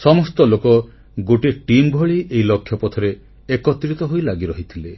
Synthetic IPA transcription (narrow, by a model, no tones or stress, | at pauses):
sɔmɔst̪ɔlokɔ | ɡoʈiʈimbʱɔɭiʔeilɔkʰːjɔpɔt̪ʰɔɾe | ekɔt̪ːɾit̪ɔɦojlaɡiɾɔɦit̪ʰile